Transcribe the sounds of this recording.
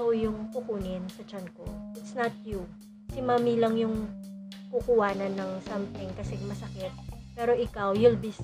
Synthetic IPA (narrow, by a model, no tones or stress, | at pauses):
wjʊŋkʊkuːnɪnsɐt͡ʃanko̰ʔɪt̪snɐt̪̚ju | sɪmaːmilɐŋjʊŋkukʊwaːnɐnːɐŋsɐmt̪ɪŋkɐsɛmɐsɐkɪt̪̚pɛːɾo̞ʔɪkawjʊlbis